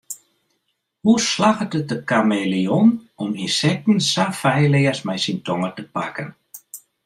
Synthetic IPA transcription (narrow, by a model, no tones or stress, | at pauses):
huslaɣətət̚dəkameːliɔnɔminsɛk̚tn̩safɛjlɪəsmɛjsintɔŋətəpakən